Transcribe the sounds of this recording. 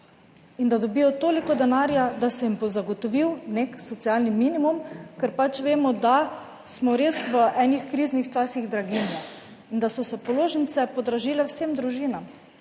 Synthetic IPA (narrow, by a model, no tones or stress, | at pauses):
ind̪ad̪ɔbiːjɔt̪oːlikɔd̪ɛnaːɾjad̪asɛjimpɔzaɡɔt̪ɔʋiwneksɔt̪sialnimiːnimumkɛɾpat͡ʃʋeːmɔd̪a | smɔɾesʋəʔɛːnixkɾiːznixt͡ʃaːsiɣd̪ɾaɡinjɛ | ind̪asɔsɛpɔloːʒənt̪sɛpɔd̪ɾaʒiːlɛwseːmd̪ɾuʒiːnam